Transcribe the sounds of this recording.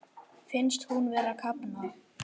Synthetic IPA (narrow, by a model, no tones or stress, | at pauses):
fɪnst̪hunvɛːɾakʰapna